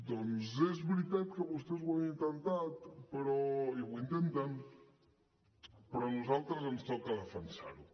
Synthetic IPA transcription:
d̪onzezβɾit̪at̪keβust̪ezwanint̪ent̪at̪peɾoiβint̪ent̪an | peɾɔnuzalt̪ɾazenst̪okaðafansa̰ɾu

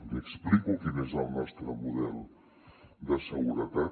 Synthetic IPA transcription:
əksplikukinezəlˠnɔst̪ɾəmuðɛlˠ | d̪əsəɣuɾət̪a

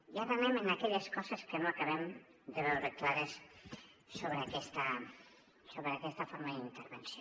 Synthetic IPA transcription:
jat̪ənɛmənakɛʎəskɔzəskənoakɐβɛm | d̪əβɛwɾəklaɾes | soβɾəːkɛst̪ə | soβɾəːkɛst̪ɐfoɾməðint̪əɾβənsio

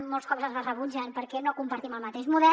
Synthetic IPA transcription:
molˠskɔβɾəzðərəβud͡ʒənpəɾkɛnokumpəɾt̪iməlˠmət̪eʃmuðɛ

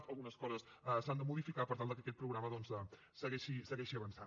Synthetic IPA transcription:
t̪əlˠɣunəskɔzəsəsand̪əmuðifikapəɾt̪alˠd̪əkəkɛt̪pɾuɣɾaməðɔnsə | səɣɛʃisəɣɛʃiəβənsa

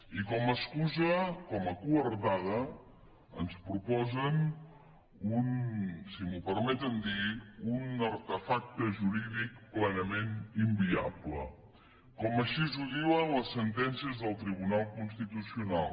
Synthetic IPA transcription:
ikɔməskuzəkɔməkuəɾt̪að̞ə | ənspɾupɔzən | unsimupəɾmɛt̪ənd̪iunəɾt̪əfak̚t̪əʒuɾiðikplɛnəmenimbia̰blə̰ | kɔməʃizuðiwələsːənt̪ɛnsiəzðəlˠt̪ɾiβunalˠkunst̪it̪usiunalˠ

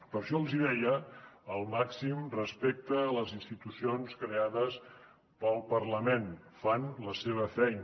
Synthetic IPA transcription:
pəɾʃɔəlˠziðɛjəːlˠmaksimrəspek̚t̪əːləzinst̪it̪usionskɾeaðəs | pəlˠpərləmenfanləseβ̞əfɛjn

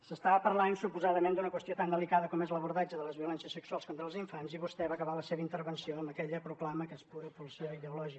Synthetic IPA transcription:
səst̪aβəpəɾlansupuzaðəmẽnd̪unəkwəst̪ijot̪and̪əlikaðəkɔmezləβuɾðad͡ʒəðələzβiulɛnsiəsəksualˠskont̪ɾəlˠziɱfanziβust̪ɛβakəβaləseβəint̪əɾβənsioəmbəkɛʎəpɾuklaməkəspuɾəpulˠsəiðəulɔʒik

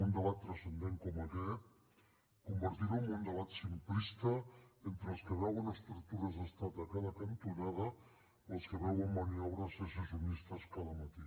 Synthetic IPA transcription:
und̪əβat̪ːɾasend̪eŋkɔmakɛt̪̚ | kumbəɾt̪iɾaummund̪əβat̪simplist̪aent̪ɾeəlˠskeβɛwunəst̪ɾukt̪uɾazəst̪at̪akaðakant̪unað̞a | əlˠskeβɛwəmmaniawɾaseses̬junist̪askaðamat̪i

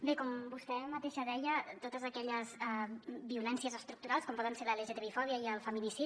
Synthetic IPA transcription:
bekɔmbust̪ɛmət̪eʃəðɛʎət̪ot̪əzəkɛʎəzɛbiulɛnsiəzəst̪ɾuk̚t̪uɾalˠskɔmpɔðənseləleʒet̪eβifɔβiəiəlˠfəmilisi

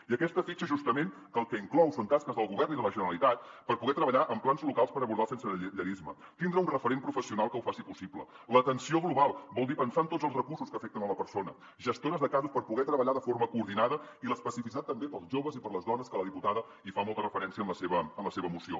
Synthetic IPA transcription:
iəkɛst̪əfit͡ʃəʒust̪əmen | əlˠkɛiŋklɔwsont̪askəzðəlˠɣuβɛrniðələʒənəɾəlit̪at̪̚pəɾpuɣɛt̪ɾəβəʎaʔəmplanzlukalˠspəɾəβuɾð̞alˠsensəʎəɾizmə | t̪ind̪ɾəunrəfəɾempɾufəsiunalˠkəuwfasipusiblə̰ | lət̪ənsioɣluβalˠbɔlˠd̪ipənsaənt̪otzəlˠzrəkursuskəfɛk̚t̪ənələpəɾsonə | ʒəst̪onəzðəkazuspəɾpuɣɛt̪ɾəβəʎaðəfoɾməkuːɾðinaðəiləspəsifis̬it̪at̪ːəmbepəlˠzʒoβəzipəɾləzðɔnəskələðiput̪aðə | ifamɔlˠt̪ərəfəɾɛnsiəmləseβəːmləseβəmusio̰

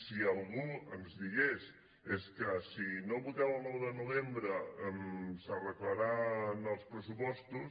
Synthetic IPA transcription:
sialˠɣuəmzðiɣes | eskəsinoβut̪awlˠnɔwðənuβembɾəmsərəklaɾanəlˠspɾəsupɔst̪us

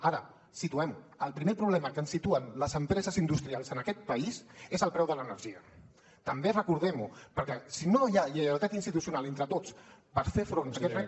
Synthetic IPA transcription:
aɾə | sit̪uɛməlˠpɾimepɾuβlɛməkəːnsːit̪uənləzəmpɾɛzəzind̪ust̪ɾialˠzənəkɛt̪̚pəisezəlˠpɾɛwðələnəɾʒiə | t̪əmberəkuɾðɛmupəɾkɛsinojaʎəəwt̪at̪insit̪usiunalent̪ɾət̪ot͡spəɾfefɾonɐkɛrɛ

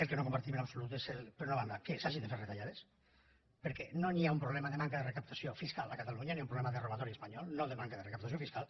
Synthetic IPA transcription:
elkenokompaɾt̪imenapsolut̪eselpeɾunaβand̪akesaʒind̪eferet̪aʎaðes | peɾkɛnoniaumpɾoβlɛmaðemaŋkaðerekap̚t̪asjofiskalakat̪aluɲaniaumpɾoβlɛmaðeroβat̪ɔɾiespaɲɔlnoðemaŋkaðerekapt̪asjofiskal

